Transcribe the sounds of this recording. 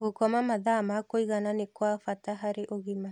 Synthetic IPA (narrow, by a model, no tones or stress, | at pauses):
ɣokɔmamaðamakoiɣananekwafataɦaɾeʔoɣima